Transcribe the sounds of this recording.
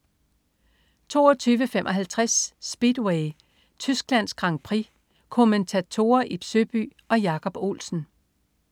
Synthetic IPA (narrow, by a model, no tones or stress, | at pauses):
t͡sʰo̝̰ːɐt͡sʰyːʋəfemʔɒ̽ɦælt͡sʰʁasːb̥id̥weɪ | t͡sʰysɡ̥læn̰sɡ̥ʁɑ̈ŋ̰pʰʁi | kʰo̝ment͡sʰæt͡sʰo̝ːɐʔib̥søb̥y̰ː | ɒ̽jɑ̈kʰɒ̽b̥o̝̰ːlsn̩